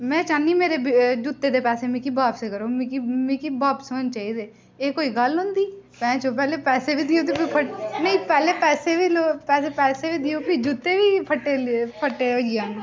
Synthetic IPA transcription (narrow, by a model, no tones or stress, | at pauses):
mɛ̃ːt͡ʃaːniːmeːɾeːbd͡ʒut̪ːeːd̪eːpɛːseːmĩːkibaːpseːkəɾõːmikimĩːkiːbaːpsont͡ʃaːiːd̪eː | eːkoːiːɡəlʊ̃ːnd̪iːpɛ̃ːt͡ʃõːpɛːleːpɛːseːbiːd̪ɪjõːt̪ipipʰənəĩːpɛːleːpɛːseːʋiːloːpɛːseːpɛːseːʋiːd̪ɪjoːpid͡ʒut̪ːeːʋiːpʰəʈːeːpʰəʈːeːəd͡ʒɪjãːe